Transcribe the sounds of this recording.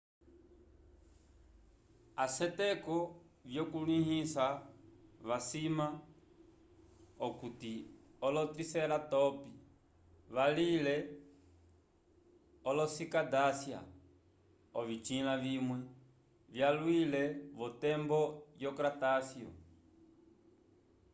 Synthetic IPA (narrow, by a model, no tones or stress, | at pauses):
asɛtɛkɔ | vjɔkulihisa | βasima | ɔkutiɔlɔtisɛlatɔpi | βalilɛ | ɔlɔsikadasja̰ | ɔvit͡ʃilavimwɛ | vjalwilɛβɔtɛmbɔjjɔkɾatasjɔ̰